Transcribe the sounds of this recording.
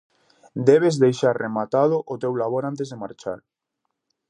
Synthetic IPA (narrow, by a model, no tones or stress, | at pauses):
d̪ɛβezðejʃaɾremat̪aðʊʔʊt̪ewlaβoɾant̪ezðemaɾt͡ʃa̰ɾ